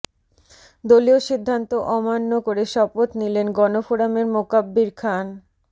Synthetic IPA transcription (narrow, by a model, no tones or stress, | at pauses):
d̪olioʃid̪ʱːant̪oʔɔmanːokoɾeʃɔpot̪nilenɡɔnofuɽameɾmokabːiɾkʰan